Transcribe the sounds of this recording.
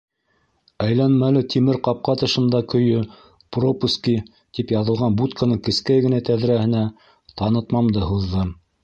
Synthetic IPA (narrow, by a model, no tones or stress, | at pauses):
æjlænmælɘt̪ʰimɘɾqɑp̚qɑt̪ɤ̆ʃɤ̆nd̪ɑkɵ̆jɵ | propuski | t̪ipjɑðɤ̆lˠʁɑnbut̪kanɤɴkɘ̆skæjɡɘ̆næt̪æðɾæhɘ̆næ | t̪ɑnɤ̆t̪mɑmd̪ɤhuðːɤ